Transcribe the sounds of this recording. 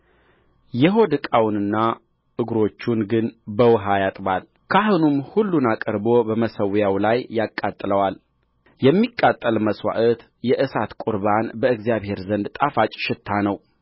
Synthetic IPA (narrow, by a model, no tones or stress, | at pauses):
jɛɦo̞d̪ɨkʼawnɨnːa | ʔɨɡɾo̞t͡ʃːunɡɨnbəwɦajat̪ʼbal | kʰaɦunumhulːunakʼəɾbo̞bəməsəwjawlajːakʼːat̪ʼləwal | jɛmːikʼːat̪ʼːəlməswa̰ʔət̪ | jɛʔɨsat̪kʼʊɾbanbəɨɡzijaβhe̞ɾzənd̪t̪ʼafat͡ʃʼʃɪt̪ʰːanəw